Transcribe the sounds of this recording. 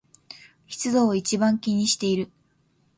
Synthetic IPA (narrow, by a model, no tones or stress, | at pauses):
çi̥t͡sɨd̪oit͡ɕibãŋkʲiɲ̟iɕi̥t̪e̞iɾɯ̟